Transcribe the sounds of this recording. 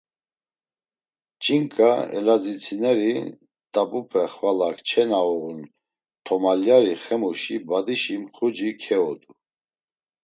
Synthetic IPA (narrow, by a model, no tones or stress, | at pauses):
t͡ʃʼiŋkʼaɛ̰lad͡zit͡sʰinɛɾi | d̪̥abupʰɛχvalakʰt͡ʃʰɛnaɔʁun | t̪ʰɔmaljaɾiχɛmuʃibad̪iʃimχud͡ʒikʰɛɔd̪u